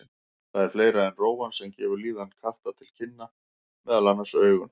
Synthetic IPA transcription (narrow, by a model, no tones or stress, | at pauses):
θaðɛɾ̥fleːjɾaɛnroːwansɛmcɛːvʏɾliːðankʰaht̪at̪ʰɪlcʰɪnːa | mɛðalanːasœːɥɣʏn